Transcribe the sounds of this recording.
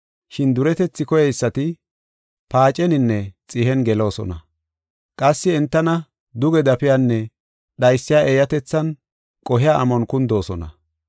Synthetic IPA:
ʃɪnd̪ʊɾɛt̪ɛt͡sːɪkɔjɛjɪsːɐt̪ɪ | paːt͡ʃʼɛnɪnːɛt͡sʼɪɦɛnɡɛlo̞ːsɔ̰nɐ | kʼɐsːɪɛnt̪ːɐnɐ | d̪ʊɡɛd̪ɐpɪjanːɛ | ɗɐjsːɪjaːʔɛːjɐt̪ɛt͡sːɐn | kʼɔɦɪjaɐmɔnkʊnd̪o̞ːsɔnɐ̰

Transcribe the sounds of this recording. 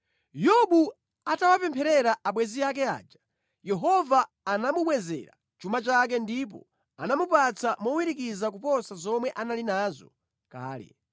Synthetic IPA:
jɔɓu | atawapɛmpʰɛɾɛɾaʔaɓwɛziakɛa̰ːd͡ʒa | jɛɦɔvaː | namuɓwɛzɛ̰ɾa̰ | t͡ʃumat͡ʃak̬ɛndip̬ɔ̰ | anamupat͡sʰamɔwiɾikizakupɔsazɔmwɛʔanalinaːzɔ̰ | ka̰ːlɛ̰

